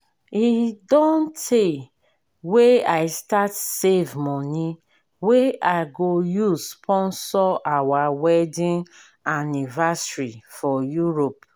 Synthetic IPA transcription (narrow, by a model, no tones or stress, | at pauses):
idɔ̃ntʰe | weaɪstatsevmɔni | weaɪɡojuspʰɔ̃nsɔʔawawɛdĩn | anivasɹifɔjuɹop̚